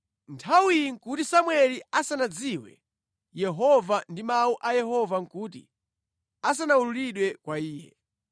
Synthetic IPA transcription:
ntʰawiŋ̩kutisamwɛliasanad͡ziwɛ̰ | jɛɦɔvandimauʔajɛɦɔvaŋkuːt̬ḭ | as̬anaululiɗwɛkwaiːjɛ̰

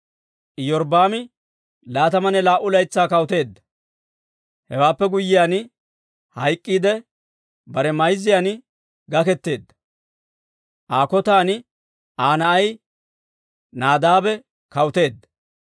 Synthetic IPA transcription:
ʔɪjɔɾbaːmɪ | laːt̪ɐmɐnɛlaːʔʊlɐjt͡sːaːkɐwʊt̪e̞ːd̪ːɐ̥ | hɛwaːpːɛɡʊjːɪjaːn | hɐjkʼːiːd̪ɛ | bɐɾɛmɐjzːɪjaːn | ɡɐkɛt̪ːe̞ːd̪ːɐ̥ | ʔaːkɔt̪aːnɪ | ʔaːnɐʔɐj | naːd̪aːbɛ | kɐwʊt̪e̞ːd̪ːɐ̥

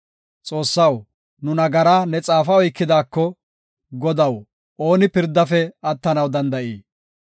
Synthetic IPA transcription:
t͡sʼo̞ːsːɐw | nʊnɐɡɐɾaːnɛt͡sʼaːfɐɔjkːɪd̪aːkːɔ | ɡɔd̪ɐw | ʔo̞ːnɪpɪɾd̪ːɐfɛɐt̪ːɐnɐwd̪ɐnd̪ɐʔiː

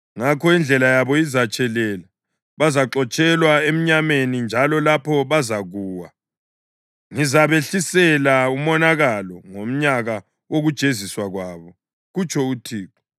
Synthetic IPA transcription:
ŋakʰɔind͡ɮʱɛlajaβɔizat͡ʃʼɛlɛla | βazaǁɔt͡ʃʼɛlwaem̩ɲamenind͡ʒʱalɔlapʰɔβazaɣuːwa | ŋizaβeɬisɛlaumɔnaɣalɔŋom̩ɲaɣa | woɣud̥ʒ̥ʱeziswaɣwaːβɔ | ɣut͡ʃʰʼɔutʰiːkɔ̥

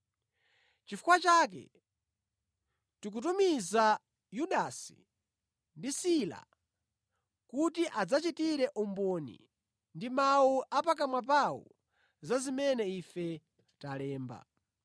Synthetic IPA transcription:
t͡ʃifukwat͡ʃaːk̬ɛ̰ | tik̬utumiza | juɗasi̥̰ | ndisila̰ | kutiʔad͡zat͡ʃitiɾɛʔɔmbɔnḭ | ndimauʔapak̬amwap̬aṵ | zazimɛnɛifɛ | talɛːmba̰

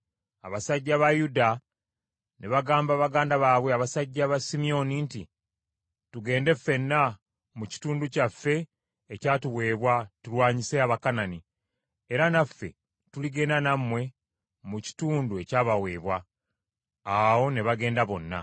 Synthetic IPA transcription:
a̰βasaɟːaβajuda | ne̞βaɡaːmbaβaɡaːndaβaːβwe̞aβasaɟːaβasimijo̞ninti | tuɡe̞ːnde̞fːe̞nːa | muci̥tuːnducafːe̞ː | caːtuwe̞ːβwatulwaːɲise̞aβakanani | e̞ɾanafːe̞ | tuliɡe̞ːndanamːwe̞ | muci̥tuːnduecaːβawe̞ːβwa | wo̞ne̞βaɡe̞ːndaβo̞nːa̰

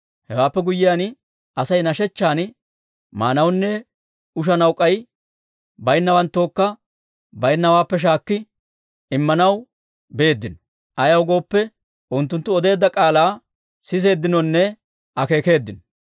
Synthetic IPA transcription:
hɛwaːpːɛɡʊjːɪjaːn | ʔɐsɐjnɐʃɛt͡ʃːaːn | ma̰ːnɐwnːɛ | ʊʃ̬ɐnɐwkʼːɐj | bɐjnːɐwɐnt̪ːo̞ːkːɐ | bɐjnːɐwaːpːɛʃ̬aːkːɪ | ɪmːɐnɐw | be̞ːd̪ːɪnɔ̥ | ʔɐjɐwɡo̞ːpːɛ | ʔʊnt̪ːʊnt̪ːʊɔd̪e̞ːd̪ːɐkʼaːlaː | sɪs̬e̞ːd̪ːɪnɔnːɛ | ʔɐke̞ːke̞ːd̪ːɪnɔ

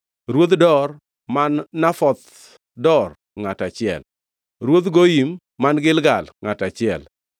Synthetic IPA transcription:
ɾwot̪dɔr | manːafɔt̪ | dɔr | ŋatat͡ʃɪɛ̰l | ɾwot̪ɡojimː | anɡɪlɡalŋatat͡ʃɪɛl

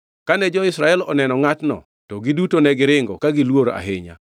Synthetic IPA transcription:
kanɛd͡ʒɔɪsɾaɛlɔnɛnɔŋatnɔ̰ | tɔɡɪdutonɛɡɪɾɪŋɡɔ̰kaɡɪlwoɾa̰ɦɪɲa̰

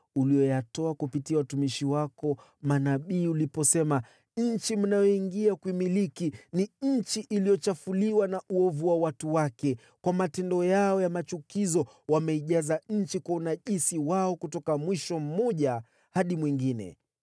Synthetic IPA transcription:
ulijɔjatɔakupitiawatumiʃiwakɔ | manaɓiːulipɔsɛma | ɲ̩t͡ʃim̩najɔiŋɡiakwimilikiniɲ̩t͡ʃiʔilijɔt͡ʃafuliwanaʔuɔvuwawatuwakɛ | kwamatɛndɔjaɔjamat͡ʃukizɔ | wamɛiʄazaɲ̩t͡ʃikwaunaʄisiwaɔkutɔkamwiʃɔm̩mɔʄa | haɗimwiŋɡinɛ̰

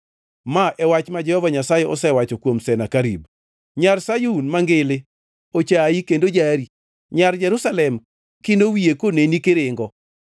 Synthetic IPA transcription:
maʔɛwat͡ʃmad͡ʒɛhɔvaɲasajɛɔsɛwat͡ʃɔkwomsɛnakaɾḭb | ɲarsajuunmaŋɡɪlɪ | ot͡ʃaikendod͡ʒaɾi | ɲard͡ʒɛɾusalɛm | kɪndowiekonenikɪɾɪŋɡɔ

